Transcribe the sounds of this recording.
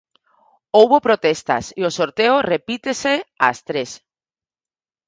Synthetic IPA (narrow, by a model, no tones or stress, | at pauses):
owβopɾot̪est̪a̰siosoɾt̪eorepit̪esea̰st̪ɾes